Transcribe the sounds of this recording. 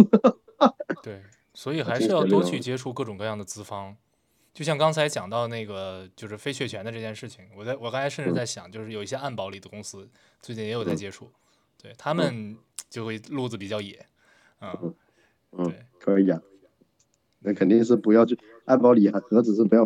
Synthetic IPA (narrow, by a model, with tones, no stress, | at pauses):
t̪we˥˩ɪ | swɔ˧˥i˨˩xaa˥ɪʂ̩˥˧jɑ˥˧ʊt̪wɔ˥˧t͡ɕʰy˥˩t͡ɕjɛ˥ʈ͡ʂʰu˥˧kɤ˥˩ʈ͡ʂʊ˨˩ŋkɤ˧jɑ˥˩ŋd̪ə˩t͡sɹ̩˥fɑ˥ŋ | t͡ɕjo˥˧ʊɕjɑ˥˩ŋkɑ˥ŋt͡sʰa˧˥ɪt͡ɕjɑ˨˩ŋt̪ɑ˥˧ʊna˥˩ɡə˩t͡ɕjo˥˧ʊʂɻ̩˥˩fe˥ɪt͡ɕʰɥɛ˥˩t͡ɕʰɥɛ˧˥nd̪ə˧ʈ͡ʂɤ˥˧t͡ɕjɛ˥˧nʂɻ̩˥˩t͡ɕʰi˨˩ŋwɔ˨˩t͡sa˥˩ɪwɔ˨˩kɑ˥ŋt͡sʰa˧˥ɪʂə˥˧nʈ͡ʂ̩˥˧t͡sa˥˩ɕjɑ˨˩˦ŋt͡ɕjo˥˧ʊʂɻ̩˥˩jo˨˩ʊi˥˩ɕjɛ˥ʔa˥˩npɑ˧˥ʊli˨˩d̪ə˦kʊ˥ŋsɹ̩˥ | t͡swe˥˩ɪt͡ɕi˥˩jɛ˧˥jo˨˩t͡sa˥˩ɪt͡ɕjɛ˥ʈ͡ʂʰu˥˩ | t̪we˥˩ɪt̪ʰa˥mə˨nt͡ɕjo˥˧ʊ˥˩lu˥˩d͡zɹ̩˩pi˨˩t͡ɕjɑ˥˩ʊjɛ˨˩˦ | n̩˥˩˥ | n̩˥te˥˩kʰə˧˥i˧˩a˨˧˩ | na˥˩kʰə˨˩nt̪i˥˧ŋʂ̬ɻ̩˥˩pu˧˥jɑ˥˧ʊt͡ɕʰy˥˩ | a˥˩npɑ˧˥ʊli˨˩a˧xɤ˧˥d͡zɹ̩˨˩ʂɻ̩˥˩pu˧˥jɑ˥˧